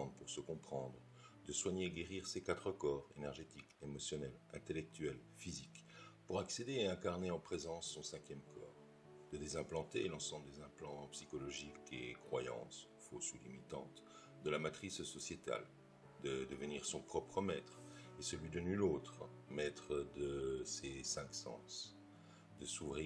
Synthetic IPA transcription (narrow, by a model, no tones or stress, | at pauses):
d̪puʁsəkɔ̃pχɑ̃d̪ʁə | d̪əswaɲeɡeʁiʁsekat̪χəkɔːʁenɛʁʒet̪ikemɔsjɔnɛlɛ̃t̪elɛk̚t̪ɥɛl | fizikpuʁaksed̪eːɛ̃kaʁneɑ̃pχezɑ̃sːɔ̃sɛ̃kʲjɛmkʰɔːʁ | d̪̥əd̪ezɛ̃plɑ̃t̪elɑ̃sɑ̃bləd̪ezɛ̃plɑ̃psikɔlɔʒikḛkχwajɑ̰̃s | fosulimit̪ɑ̰̃t̪ | d̪əlamat̪χissɔsjet̪a̰l | d̪əd̪əvəniʁsɔ̃pχɔpχəmɛt̪χesəlɥid̪ənylot̪χəmɛt̪χəd̪əsesɛ̃ksɑ̰̃s | d̪əsuvʁi